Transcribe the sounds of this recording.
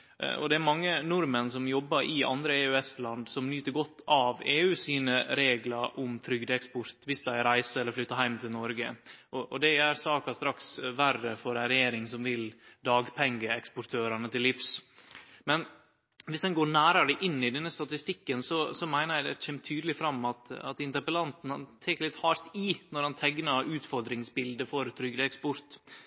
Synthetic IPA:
ɔ̰d̪ɛæɾmɑŋːənʊɾmənsɔmjɔbːɑɾʔɪʔɑ̰nd̪ɾəeːʉɛst̪lɑnd̪sɔmnyːt̪əɾɡɔt̪ːɑʋeːʉːsiːnəɾeːɡlɑɾʔʊmfɾʏɡd̪əɛkspɔɾt̪ʋɪsd̪æɪɾæɪsəɛlːəɾflʏt̪ːəɦæɪmt̪ʰɪlnɔɾɡə̰ʔɔʔɔd̪ɛæɾsɑːkɑst̪ɾɑksʋærːəfɔɾænɾɛjeːɾɪŋsɔmʋɪld̪ɑːɡpʰɛŋɡəɛkspʊɾʈ̪ʰøːɾɑnət̪ʰɪlːɪfs | mɛn | ʋɪsd̪ɛnɡoːɳæːɾɑd̪ɛʔɪnːɪd̪ɛnːəst̪ɑt̪ɪst̪ɪkːənsɔsɔmæɪnəɾjæɪd̪ɛçɛmət̪ʰyːd̪lɪfɾɑmːɑt̪ɑ̰t̪ɪnt̪əɾpəlɑnt̪n̩hɑnt̪ʰeːkəɭɪt̪hɑːɾt̪ɪnɔɾhɑnt̪ʰɛɡnɑɾʉːt̪fɔɾd̪ɾɪŋsbɪld̪əfɔɾt̪ʰɾʏɡd̪əɛkspɔɾt̪

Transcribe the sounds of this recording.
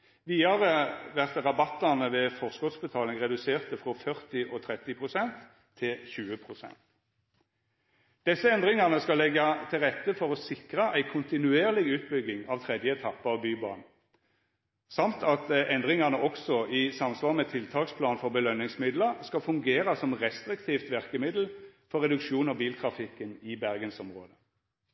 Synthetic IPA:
ʋiːɑʁəʋæʁt̪ʁɑbɑt̪ːɑnəʋɛfɔʁskɔt̪sbət̪ʰɑːlɪŋʁɛd̪ʉseːʁt̪əfʁɔfœʁt̪ɪʔɔt̪ʰʁɛt̪ːɪpʰʁʊsɛnt̪ʰː | ɪlçʉːəpʰʁʊsɛ̰nt̪ | d̪̥ɛsːəɛnd̪ʁɪŋɑʁnəskɑlɛɡɑt̪ʰɪlʁɛt̪ːəfɔʁɔsɪkʁəʔæɪkʰʊnt̪ɪnʉeːʁlɪɡʉːt̪bʏɡɪŋɑʋt̪ʰʁɛd̪jəɛt̪ʰɑpːəɑʋbyːbɑ̰ːn̩ | sɑmt̪ʰɑt̪ɛnd̪ʁɪŋɑʁnəʔɔksɔʔɪsɑmsʋɑːʁmɛt̪ʰɪlt̪ʰɑːkspʰlɑːnfɔʁbəlœnːɪŋsmɪd̪ləʁskɑfʉŋɡeːʁəsɔmʁɛst̪ʁɪkt̪ʰiːft̪ʋæʁkəmɪd̪l̩fɔʁɛd̪ʉkʃuːnɔbiːlt̪ʰʁɑfɪkːənɪbæʁɡənsɔmʁoːd̪ə

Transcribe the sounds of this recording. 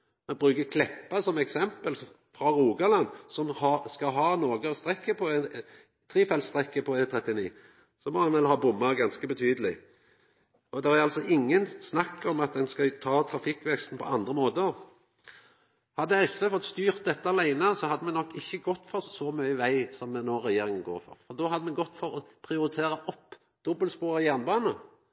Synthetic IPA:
mɛbʁʉːkəkʰlɛpːɑsɔmɛksɛmpəl | fʁɑɾuːɡɑlɑnsɔmhɑskɑɦɑːnoːɡəɔst̪ʁɛkːəpʰɔɛn | t̪ʰʁiːfɛlst̪ʁɛkːəpʰɔɛt̪ʰʁɛt̪ːɪnḭː | sɔmoːɛnʋɛlɦɑːbʊmːəʁɡɑnskəbət̪ʰyːd̪əlɪ | ɔd̪ɛʁæɾɑlsɔʔɪŋːənsnɑkːɔmɑt̪̚d̪ɛnskɑt̪ʰɑːt̪ʰɾɑfɪkːʋɛkst̪n̩pʰɔ̰ɑnd̪ʁəmoːt̪ə | hɑd̪ːəɛsʋeːfɔt̪st̪yːʁt̪̚d̪ɛt̪ːəɑlæɪnəsɔhɑd̪ːəmɛnɔkːɪçːəɡɔt̪ːfɔʁsɔmœʏəʋæɪsɔmɛnoːʁɛjeːɾɪŋənɡo̰ːʁfɔ̰ʁfɔʁd̪ɔhɑd̪ːəmɛɡɔt̪ːfɔɾɔpʰɾɪʊɾɪt̪ʰeːɾəɔpː | d̪̥ɔbəlspoːʁəjæʁnbɑːnə

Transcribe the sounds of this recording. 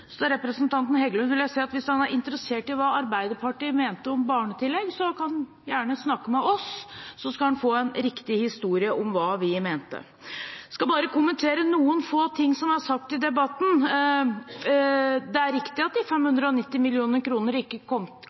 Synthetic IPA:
sɔd̪ɛɾɛpɾəsənt̪ʰɑnt̪n̩hɛɡəlʉnʋɪljæɪsɛːɑt̪ʋɪsɑnæɾʔɪnt̪əɾəseːʈɪʋɑːɑɾbæɪd̪əpʰɑʈiːmeːnt̪əɔmbɑːɳət̪ʰɪlːɛɡsɔkʰɑn | jæːɳəsnɑkːəmɛʔɔsːɔskɑlhɑnfoːɛnɾɪkt̪ɪhɪst̪uːɾɪəʔɔmʋɑːʋɪmeːnt̪ə̰ | skɑbɑːɾəkʊmənt̪ʰeːɾənuːənfoːt̪ʰɪŋːsɔmæsɑk̚t̪ɪd̪ɛbɑt̪n̩ | d̪ɛæɾɪkt̪ɪɑt̪̚d̪ɪfɛmhʉnd̪ɾəɔnɪt̪ːɪmɪlɪuːnəɾkʰɾuːnəɾɪkːəkʰɔmt̪

